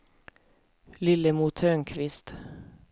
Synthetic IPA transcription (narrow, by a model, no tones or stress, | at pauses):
lɪlːəmut̪ʰøːnkʰvɪst̪